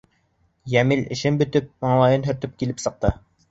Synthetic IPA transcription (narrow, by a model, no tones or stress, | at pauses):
jæmilɘ̆ʃɘnbɵ̆t̪ɵp̚mɑɴlˠɑjɤnɦɵ̆ɾt̪ɵp̚kilɘpsɤ̆q̚t̪ɤ